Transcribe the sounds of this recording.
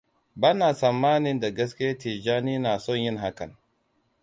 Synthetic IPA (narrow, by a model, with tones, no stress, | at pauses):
ba˦na˨sa˨mːaː˦ni˦nda˨ɡa˦ski˦a˦ti˨d͡ʒa˦ni˦na˨sɔ˦nji˦nɦa˦ka˨n